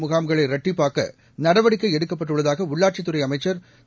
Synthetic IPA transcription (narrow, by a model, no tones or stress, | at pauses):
mʊɣaːmɡɐɭɐɪɾɐʈːɪpːaːkɐ̰ | nɐɽɐʋɐɽɪkːɐɪɛɽɯkːɐpːɐʈːɯɭːɐðaːɣɐʊɭːaːʈ̚t͡ʃɪt̪ːɯrɐɪɐmɐɪt͡ʃːɐɾ